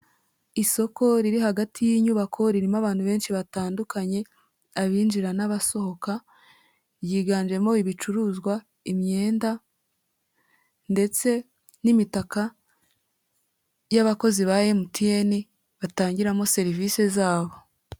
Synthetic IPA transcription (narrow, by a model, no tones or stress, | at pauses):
iso̞ko̞ɾiɾihaɡatʰijiːɲuβakʰo̞ɾiɾimaβaːn̥huβe̞ːnʃiβataːndukaɲe̞ | aβiːnd͡ʒiɾanaβaso̞ho̞ka | jiːɡaːnd͡ʒe̞mo̞iβit͡ʃuɾuːzɡwa | imɲe̞ːnda | nde̞t͡se̞ | nimitaka | jaβako̞ziβaje̞mutieni | βataːɲɟiɾamo̞se̞ɾiviːse̞zaːβo̞